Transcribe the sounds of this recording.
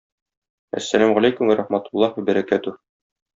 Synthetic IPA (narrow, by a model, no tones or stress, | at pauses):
æ̰sːælæmʁælæjkumwæɾʔɑχmæt̪ulˠːɑhmɘbæɾækæt̪u